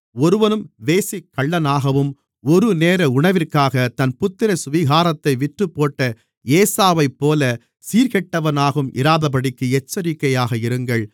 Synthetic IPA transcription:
ɔɾɯʋɐnɯmʋeːsɪkːɐɭːɐnaːɣɐʋɯm | ɔɾɯneːɾɐʊɳɐʋɪrkaːɣɐt̪ɐnpʊt̪ːɪɾɐsʊʋɪɣaːɾɐt̪ːɐɪʋɪʈrɯpːoːʈːɐ | eːsaːʋɐɪpːoːlɐ | siːɾɣɛʈːɐʋɐnaːɣɯmʔɪ̰ɾaːðɐpɐɽɪkːɯɛt͡ʃːɐɾɪkːɐjaːɣɐɪɾɯŋɡɐɭ

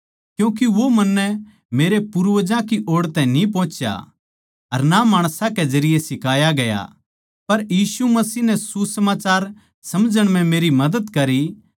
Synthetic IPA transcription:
kjũːk̬iʋomɐnːɛ | meːɾepʊɾʋəd͡ʒãkiʔoːɽt̪ɛ̃ĩnĩp̬ɔ̃ːt͡ʃja̰ | ɐɾnamaːɽ̃sãkezɐɾɪjesɪkaːjaɡɐja̰ | pɐɾjiːsumɐsiːnɛsusɐmaːt͡ʃaːɾ | sɐmd͡ʒəɽ̃mɛ̃meːɾimɐd̪əd̪kɐɾi

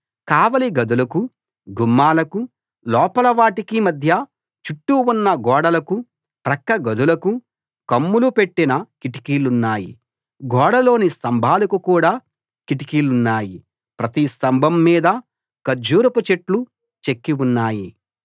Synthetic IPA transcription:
kaːʋɐliɡɐd̪ulɐku | ɡumːaːlɐku | lɔːpɐlɐʋaːʈikimɐd̪ʱjɐ | t͡ʃuʈːuunːɐɡɔːɽɐlɐku | pɾɐkːɐɡɐd̪ulɐku | kɐmːulupe̞ʈːinɐkiʈi̥kiːlunːaːji | ɡɔːɽɐlo̞ːnist̪ɐmbʱaːlɐkukuːɽaː | kiʈikiːlunːaːji | pɾɐt̪ist̪ɐmbʱɐmːiːd̪ɐ | kɐɾd͡ʒuːɾɐput͡ʃe̞ʈlu | t͡ʃekːiunːaːji

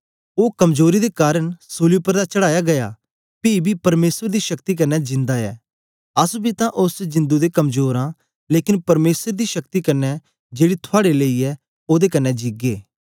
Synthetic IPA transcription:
oːkɐmzoːɾid̪eːkaːɾəɳsoːlijupəɾd̪aːt͡ʃəɽaːjaɡɐja̰ː | piːbʱiːpɐɾmeːsəɾd̪iːʃɐkt̪ik̬ɐnːɛd͡ʒɪ̃nd̪aːɛ̰ː | ɐsbʱit̪ãʔʊsd͡ʒɪ̃nd̪ud̪eːkɐmzoːɾãː | leːkɪnpɐɾmeːsəɾd̪iːʃəkt̪ikɐnːɛ | d͡ʒeːɽiːt̪ʰʊaːɽeləiːɛː | oːd̪ekɐnːɛd͡ʒiːɡeː

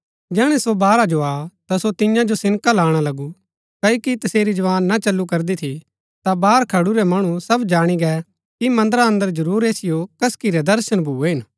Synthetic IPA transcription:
d͡ʒɛːɽ̃ɛsobaːɾad͡ʒoat̪asot̪ɪjãd͡ʒosɪ̃nkalaːɽ̃alɐɡu | kɐːjokit̪ɐseːɾid͡ʒɐʋaːnːat͡ʃɐlːukɐɾd̪it̪ʰi | t̪abaːɾkʰɐɽuɾɛmɐɽ̃usɐbd͡ʒaːɽ̃iɡɛ | kimɐ̃nd̪əɾaɐ̃nd̪əɾd͡ʒɐɾuːɾeːsɪjokɐskiɾɛd̪ɐɾʃəɽ̃bʱuːeɦɪn

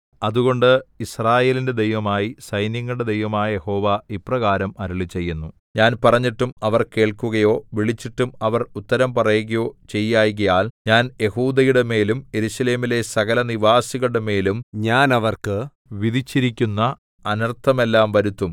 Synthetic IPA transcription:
ɐðuɣo̞ɳɖɨisraːje̞ːlinde̞d̪ejʋɐmaːjisɐjnjɐŋːɐɭɽe̞d̪ejʋɐmaːjɐje̞ho̞ːʋaːiprɐɣaːɾɐmɐɾuɭit͡ɕe̞jːunːu | ɲaːnpɐrɐɲːiʈːumɐʋɐrke̞ːɭkuɣɐjo̞ːʋiɭit͡ɕːiʈːumɐʋɐrut̪ːɐɾɐmpɐrɐjuɣɐjo̞ːt͡ɕe̞jːaːjɣɐjaːlɲaːnje̞huːd̪ɐjuɽeme̞ːlumje̞ɾuɕɐle̞ːmile̞sɐɣɐlɐniʋaːsiɣɐɭɽeme̞ːlumɲaːnɐʋɐrkɨ | ʋiðit͡ɕːiɾikʲːunːɐ | ɐnɐrt̪ʰɐme̞lːaːmʋɐɾut̪ːum

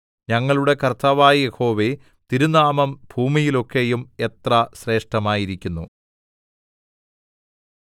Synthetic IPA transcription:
ɲɐŋːɐɭuɽe̞kɐrt̪ʰaːʋaːjije̞ho̞ːʋe̞ | t̪iɾunaːmɐmbʱuːmijilo̞kːe̞jume̞t̪rɐɕre̞ːʂʈɐmaːjiɾikʲːunːu

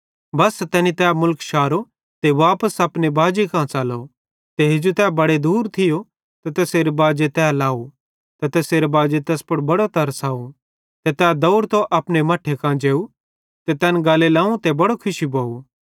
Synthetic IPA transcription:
bɐst̪ɛːnit̪ɛːmʊlkʃaːɾo | t̪eʋaːpəsɐpnebaːd͡ʒekãːt͡ʃaːlo | t̪eɦed͡ʒut̪ɛːbɐɽed̪uːɾt̪ʰɪjo | t̪ɐt̪ɛːseːɾebaːd͡ʒet̪ɛːlaːu | t̪et̪ɛːseːɾebaːd͡ʒet̪ɛːspɐɽbɐɽot̪ɐɾsaːu | t̪et̪ɛːd̪ɐuɽt̪oʔɐpnemɐʈʰːekãːd͡ʒeːu | t̪et̪ɛːnɡaːlelãːũt̪ebɐɽokʰʊʃiboːu

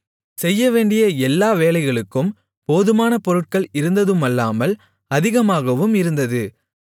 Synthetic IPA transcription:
sɛjːɐʋeːɳɖɪjɐɛlːaːʋeːlɐɪɣɐɭɯkːɯm | poːðɯmaːnɐpɔɾɯʈ̚kɐɭɪɾɯnd̪ɐðɯmɐlːaːmɐl | ɐðɪɣɐmaːɣɐʋɯmɪɾɯnd̪ɐðɯ

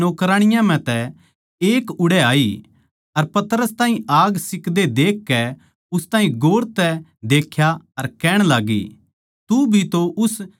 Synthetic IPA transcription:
noːkɾaːɽ̃ɪjãm̤ɛ̃t̪ɛ | eːkʊɽɛaːi | ɐɾpɐt̪ɾəst̪aːɦĩaːɡsɪkd̪ed̪eːkːɛ | ʊst̪ãːɦĩɡoːɾt̪ɛd̪eːkʰjaɐɾkɛːɽ̃laːɡḭ | t̪ubʱit̪oʔʊs

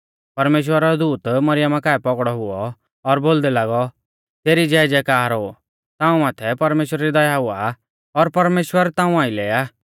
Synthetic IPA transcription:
pɐɾmeːʃ̬wəɾaɾɔd̪uːt̪mɐɾɪjamakaːɛpɔɡɽɔɦʊɔ | ɔɾboːld̪ɛlaːɡɔ | t̪eːɾid͡ʒɛːd͡ʒɛkaːɾo | t̪ãːũmaːt̪ʰɛpɐɾmeːʃwɾaɾid̪ɐjaɦʊa | ɔɾpɐɾmeːʃwəɾt̪ãːũaːĩlɛːa

